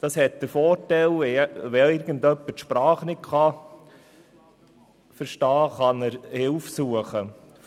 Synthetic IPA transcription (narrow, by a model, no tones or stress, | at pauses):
d̥ɑshɛt̚d̥əɾfɔːɾtɛlʋɛʋɛɪɾɡəndœpːətʃpɾɑːχnɪt̚kʰχɑ | fəɾʃtɑːχɑnəɾhɪlfsuəχə